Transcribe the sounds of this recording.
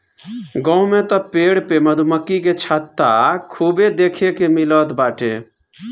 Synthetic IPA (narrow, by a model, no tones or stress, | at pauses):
ɡə̃ũmẽt̪ɔpeːɽpeməd̪ʱuməkːiket͡ʃʰat̪ːakʰubed̪eːkʰekemilət̪baːʈʰḛ̃